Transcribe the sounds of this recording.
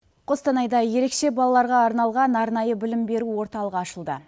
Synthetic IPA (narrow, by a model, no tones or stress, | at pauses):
qʰo̞st̪ɑnɑjd̪ɑje̞ɾe̞kʃe̞bɑlˠɑlˠɑɾʁɑːɾnɑlˠʁɑnɑɾnɑjəbɪlɪmbe̞ɾuwo̞ɾt̪ɑlˠəʁɑʃəlˠd̪ə̰